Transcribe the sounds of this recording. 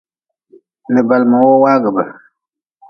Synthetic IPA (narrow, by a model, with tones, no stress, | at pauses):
nə˨ba˨lma˨wo˦waː˦ɡə˨ba˨